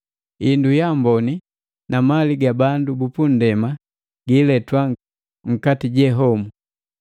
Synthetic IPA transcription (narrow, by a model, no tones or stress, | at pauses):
indujambɔni | namaliɡabandubupun̩dɛma | ɡilɛtwa | ŋ̩katiɟɛɦɔmu